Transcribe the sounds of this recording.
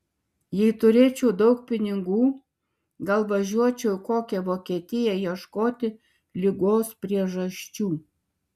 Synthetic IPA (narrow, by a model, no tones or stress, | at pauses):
jɛɪt̪ʊɾʲeːt͡ʃʲɛʊd̪ɐʊk̚pʲɪnʲɪɡuː | ɡɐlˠʋɐʒʲuɔt͡ʃʲɛʊkoːkʲɛʋoːkʲiɛt̪ʲɪjɛjiɛʃkoːt̪ʲɪ | lʲɪɡoːspʲɾʲiɛʒɐʃʲt͡ʃʲuː